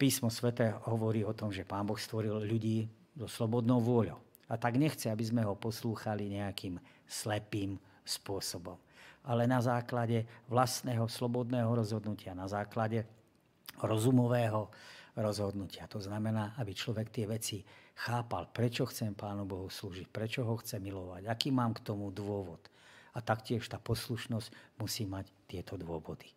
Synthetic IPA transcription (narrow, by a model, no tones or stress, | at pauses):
piːsmɔsʋɛt̪ɛːɦɔʋɔɾiːɔt̪ɔmʒɛpaːmbɔxst̪ʋɔɾilʎuɟiː | zɔslɔbɔd̪nɔʊʋʊɔʎɔʊ | at̪aɡɲɛxt͡sɛabizmɛɦɔpɔsluːxaliɲɛakiːm | slɛpiːm | spʊɔsɔbɔmʔalɛnazaːklaɟɛʋlast̪nɛːɦɔslɔbɔd̪nɛːɦɔɾɔzɦɔd̪nucɪanazaːklaɟɛ | ɾɔzumɔʋɛːɦɔɾɔzɦɔd̪nucɪat̪ɔznamɛnaːʔabit͡ʃlɔʋɛkt̪ɪɛʋɛt͡sixaːpa̰lpɾɛt͡ʃɔxt͡sɛmpaːnubɔɦusluːʒic̚pɾɛt͡ʃɔɦɔxt͡sɛmilɔʋaɟakiːmaːmkt̪ɔmud̪ʋʊɔʋɔt̪at̪akcɪɛʃt̪aːpɔsluʃnɔscmusiːmact̪ɪɛt̪ɔd̪ʊɔʋɔd̪i̥